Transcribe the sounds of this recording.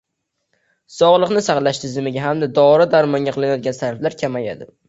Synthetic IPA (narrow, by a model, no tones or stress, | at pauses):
sɒʁlˠɨqnɪsaχlˠaʃt̪ʰɪzɪmɪɡʲaɦamd̪ad̪ɒɾɪd̪aɾmɒŋɡʲaqʰɨlˠɪnajɒd̪̚ɡʲansaɾɪflaɾkʲʰamaja̰d̪ɪ